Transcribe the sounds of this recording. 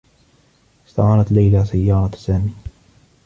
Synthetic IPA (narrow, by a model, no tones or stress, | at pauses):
ɪ̥st̪a̰ʕɑːɾɑt̪lajlasajːɑːɾˤɑsaːmiː